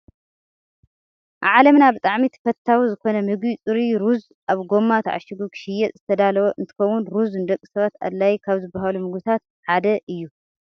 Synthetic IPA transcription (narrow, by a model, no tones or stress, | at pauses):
ʔa̰ʕalɐmnabɨt̪ʼaʕmit̪ʰfɐt̪ʰːawizɨko̞nɐmɨɡit͡sʼɨɾiɾuz | ʔaβɡo̞mːat̪ʰʕa̰ʃɪɡukʰɨʃɪjɛtʼzɨ̥t̪ʰɐd̪alɐwoʔɨnt̪ʰɨ̥xɐwːunɾuzɨnd̪ɐkʼːi̥sɐβat̪a̰d̪lajkʰaβzɨbːaɦalumɨɡbɨt̪ʰat̪ | ħad̪ɐʔɨjːu